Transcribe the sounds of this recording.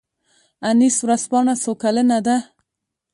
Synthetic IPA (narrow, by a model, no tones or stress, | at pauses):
aniswɾaspɑɳasokalənad̪a